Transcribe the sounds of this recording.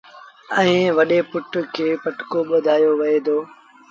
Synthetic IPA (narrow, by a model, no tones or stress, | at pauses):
ɛ̃ĩːʋɐɗeːpʊʈkʰeːpɐʈkoɓʊd̪ʱaːjoːʋɐeːd̪oː